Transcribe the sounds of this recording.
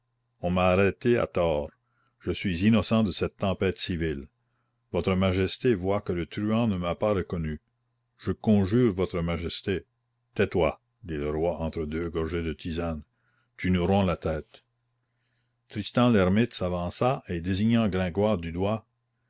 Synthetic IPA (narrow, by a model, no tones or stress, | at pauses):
ɔ̃maːɾɛt̪ea̰t̪ɔːʁ | ʒ̥əsɥizinɔsɑ̃d̪əsɛt̪ːɑ̃pɛːt̪sivil | vɔt̪ɾəmaʒɛst̪evwakələt̪ɾyɑ̃nəmapaɾəkɔny | ʒ̥əkɔ̃ʒyːʁvɔt̪ɾəmaʒɛst̪e | t̪ɛt̪wa | d̪iləɾwaʔɑ̃t̪ɾəd̪øːɡɔʁʒed̪ət̪izan | t̪ynuɾɔ̃lat̪ɛːt̪ | t̪ɾist̪ɑ̃lɛʁmit̪savɑ̃saʔed̪eziɲɑ̃ɡɾɛ̃ɡwaːʁd̪yd̪wa